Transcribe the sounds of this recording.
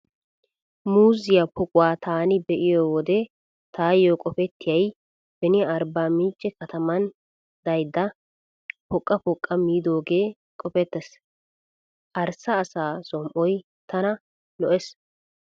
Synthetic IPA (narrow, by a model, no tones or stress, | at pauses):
muːzɪjɐpɔkʼʊwaːt̪ʰaːnɪbɛʔɪjoːwɔd̪ɛ | t̪aːjokʼɔfɛt̪ːɪjɐj | b̥ɛnɪɐɾbaːmiːt͡ʃʼːɛkɐt̪ɐmɐn | d̪ɐjd̪ːɐ | pɔkʼːɐpɔkʼːɐmiːd̪o̞ːɡe̞ː | kʼɔfɛt̪ːɛs | ʔɐɾsɐːsaːsɔmʔɔj | t̪ɐnɐ | lɔʔɛs